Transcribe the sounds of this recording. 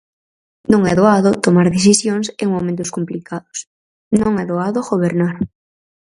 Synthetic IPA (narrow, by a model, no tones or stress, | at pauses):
nõŋɛðoaðot̪omaɾðeθisjoŋseŋmomẽnt̪̬ʊskomplikʰaðʊ̥s | nõŋɛðoaðoɣoβeɾnaɾ